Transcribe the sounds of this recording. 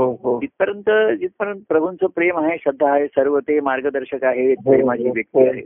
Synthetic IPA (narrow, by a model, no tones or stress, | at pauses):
ɦoɦd͡ʒit̪̚pəɾənt̪əd͡ʑit̪̚pəɾənt̪əpɾəbʱunt͡səpɾemaɦeɕəd̪ʱːaːɦesəɾʋət̪emaɾɡəd̪əɾɕəkaɦet̪̚pɾemat͡ɕiːʋjək̚t̪iaɦe